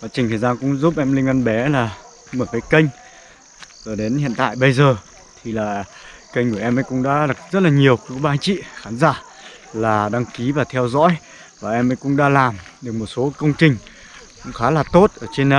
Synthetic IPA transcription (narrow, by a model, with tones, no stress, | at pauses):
vaː˨˩t͡ɕï˨˩ŋ̟t̪əː˨˩zaː˧kʊ̰˧˥ŋ͡mzu˦˥p̚ʔɛ˧mli˧ŋ̟ʔə˧nɓɛ˨˦laː˨˩ | məː˧˩kaː˨˦kə˧jŋ̟ | zəː˨˩ɗe˨˦nhḭ˧˨ənt̪a̰ː˧˨jɓə˧jzəː˨˩ | t̪ʰi˨˩laː˨˩kə˧jŋ̟ku˧˩ʔɛ˧mʔə̰˧˥jkʊ̰˧˥ŋ͡mɗa̰ː˧˥ɗa˨˩k̚zə˦˥t̚laː˨˩ɲi˨˩əwkɓaː˧ŋt͡ɕḭ˧˨xaː˨˦nzaː˧˩ | laː˨˩ɗa˧ŋki˨˦vaː˨˩t̪ʰɛ˧wzɔ̰˧˥j | vaː˨˩ʔɛ˧mʔə̰˧˥jkʊ̰˧˥ŋ͡mɗaː˧laː˨˩mɗɨ˨˩ək̚mo˨˩t̚so˨˦kə˧wŋ͡mt͡ɕï˨˩ŋ̟ | kʊ̰˧˥ŋ͡mxaː˨˦laː˨˩t̪o˦˥t̚ʔəː˧˩t͡ɕe˧n˧